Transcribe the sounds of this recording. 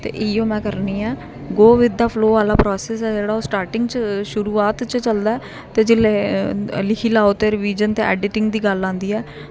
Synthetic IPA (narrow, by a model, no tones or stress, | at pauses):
t̪ḛːʔɪõːmɛ̃ːkəɾniːɛː | ɡoːʋɪd̪aːpʰloːʋaːlaːpɾɔːsɛːsɛːd͡ʒeːɽaːoːsʈaːɾʈɪŋɡt͡ʃʃʊɾuːaːt̪t͡ʃt͡ʃəld̪aːɛː | t̪eːd͡ʒɪleːlɪkʰiːlaːoːt̪eːɾʋiːd͡ʒənt̪ḛːʔɛ̰ːɖɪʈɪŋɡd̪iːɡəlːãːnd̪iːɛː